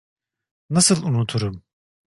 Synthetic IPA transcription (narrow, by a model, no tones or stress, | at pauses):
nasɯlˠunut̪ʰuɾum